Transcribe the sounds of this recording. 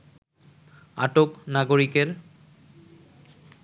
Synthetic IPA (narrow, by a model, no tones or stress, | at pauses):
a̰ʈoknaɡoɾikeɾ